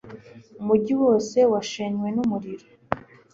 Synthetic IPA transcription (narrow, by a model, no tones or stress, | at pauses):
umuɟiwo̞ːse̞waʃeɲwe̞numuɾiɾo